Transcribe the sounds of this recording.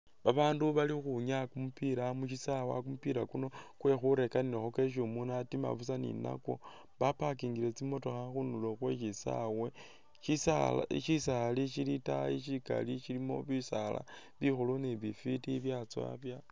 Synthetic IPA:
βaβaːnduβalixuɲakumupiɾamuʃisawa̰kumupiɾakuno̞kwe̞xuɾe̞kaninexoke̞ʃ̬umunatima̰βusanḭna̰ko̞̰ | βapakiːŋɡile̞t͡simo̞to̞xaxunuloxwe̞ʃisa̰we̞ | ʃisal̰ʃisaliʃilitaiʃika̰liʃilimo̞̰βisala̰ | βixuloneβifitiβjat͡swa̰βja

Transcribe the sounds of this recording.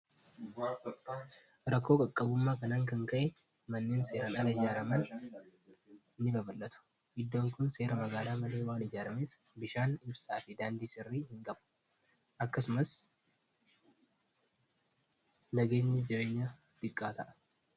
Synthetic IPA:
ɾɐkːo̞ːkʼɐkʼːɐbʊmːaːkɐnaːŋkɐŋkɐʔɛ | mɐnːe̞ːnse̞ːɾɐnɐlɐɪd͡ʒaːɾɐmɐn | nːɪbɐbɐlːɐt̪ʊ̥ | ʔɪd̪ːo̞ːŋkʊnse̞ːɾɐmɐɡaːlaːmɐle̞ːwaːnɪd͡ʒaːɾɐmeːf | bɪʃaːnɪbsaːfɪd̪aːnd̪isɪrːiːhɪŋkʼɐb | ʔɐkːɐsʊmɐs | nɐɡe̞ːɲːɪd͡ʒɪɾe̞ːɲːɐ | t̪ɪkʼːa̰ːt̪ʰɐʔɐ̥

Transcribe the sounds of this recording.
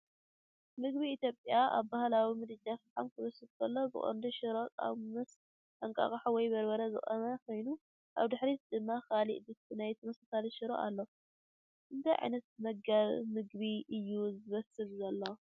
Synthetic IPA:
mɨɡbiːt̪jo̞pʼjaʔa̰βbahlawimɨd̪ɨd͡ʒafɨħamkʰɨβɐsɨbkʰɐlːobɨ̰χʼo̰nd̪uʃɪɾokʼa̰βmɨs | ʔɐŋkʼa̰kʼɐħowɔjbɐɾbɐɾɐzɨ̰χʼɐmɐkʰo̞jnu | ʔa̰βd̪ɨħɾid̪ɨmːakalḭʔd̪ɨɨnajt̪ʰɐmɐsasaliʃɪɾo̰ʔa̰lːo | ʔɨnt̪ʰajʕa̰jnɐt̪̚mɐɡaβmɨɡβiʔɨjːuzɨβɐsɨlzɐlːo

